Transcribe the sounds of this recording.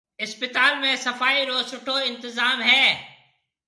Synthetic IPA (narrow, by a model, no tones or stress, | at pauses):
ɪspɪt̪aːlmẽsɐfaːiɾoːsʊʈʰoɪ̃nt̪ɪzaːmɦɛː